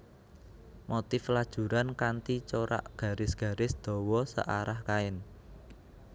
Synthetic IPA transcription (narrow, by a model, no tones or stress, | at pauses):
mot̪ɪflad̥ʒ̥ṳɾankant̪it͡ʃoɾa̰ʔɡ̥ä̤ɾɪsɡ̥ä̤ɾɪsd̪̥ɔ̤wɔsə̰ʔaɾahkaɪn